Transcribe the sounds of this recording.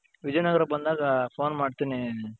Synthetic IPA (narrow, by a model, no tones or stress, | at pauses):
ʋid͡ʒɐjnɐɡɐɾɐbɐnd̪aːɡɐpʰoːnmaːɖt̪ini